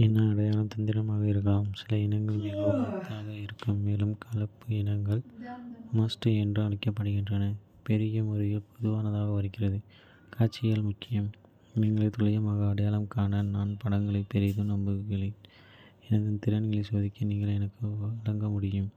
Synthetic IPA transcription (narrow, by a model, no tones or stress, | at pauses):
ɛnːɐːɽɐjaːlɐmt̪ɐnd̪ɪɾɐmaːɣɐɪɾɯɣɐɭːmsɪlɐɪnɐŋɡɐɭmeːŋɡɐɭɐɐɐt̪ːaːɣɐɪɾɯkːɯmːeːlɯmkʰɐlɐpːɯɪnɐŋɡɐɭ | mɐsʈɯɛndrɯɐɳɐkːɐpːɐɽɯɣɪndrɐnɐ | pɛɾɪjɐmɔɾɪɣɐɭpʰɔðɯʋaːnɐðaːɣɐʋɐɾɪkːɪrɐðɯ | kʰaːɾt͡ʃːɪjalmʊkːɪjɐm | niːŋɡɐɭɐɪt̪ʊɭɐjɐmɐɣɐɐɽɐjaːlɐmkaːnɐnnaːnpɐɽɐŋɡɐɭɐɪpːɛɾɪðɯnɐmbɯɣɐɭɪ | ɛnɐðɯnt̪ɪɾɐnɣɐɭɐsoːðɪkːɯniːŋɡɐɭɛnɐkːɯɐlɐŋɡɐmʊɽɪjɯm